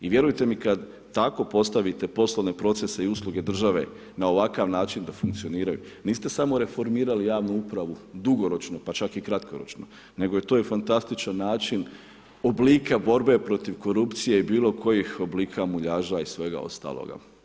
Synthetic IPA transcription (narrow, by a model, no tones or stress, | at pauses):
iʋje̞ɾujt̪e̞mikad̪ | t̪ako̞po̞st̪aʋit̪e̞po̞sloʋne̞pɾo̞t̪sese̞iuslˠuɡe̞d̪r̩ʒaʋe̞̰ | nao̞ʋakaʋnaːt͡ʃind̪afuŋkt̪sio̞niːɾajṵ | niːst̪e̞samo̞ɾe̞fo̞ɾmiːɾalijaːʋnuupɾaʋud̪uɡo̞ɾo̞t͡ʃno̞pat͡ʃakikɾat̪kʰo̞ɾo̞t͡ʃno | ne̞ɡo̞jet̪ojefant̪ast̪it͡ʃanːaːt͡ʃin | o̞bliːkabo̞ɾbe̞pɾo̞t̪iʋko̞ɾupt̪sijeibiːlo̞kʰo̞jixo̞bliːkʰamuʎaːʒaisʋe̞ɡa̰o̞̰st̪a̰ːlˠo̰ɡa̰